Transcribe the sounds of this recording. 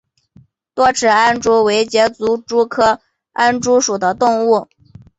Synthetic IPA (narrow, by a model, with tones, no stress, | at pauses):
t̪wɔ˥ʈ͡ʂʰɻ̩˨˩a˥nʈ͡ʂu˥we˧˥ɪt͡ɕjɛ˧˥t͡su˧˥ʈ͡ʂu˥kʰɤ˥ | a˥nʈ͡ʂu˥ʂu˨˩d̪ə˦t̪ʊ˥˧ŋu˥˩